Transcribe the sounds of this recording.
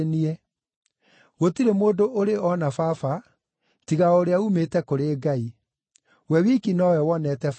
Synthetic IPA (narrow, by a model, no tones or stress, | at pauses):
niɛ | ɣotiɾemoːdoʔoɾeɔnafafa | tiɣaoɾeaumetɛkoɾeːɡai | wɛwikinɔwɛwɔnɛtɛf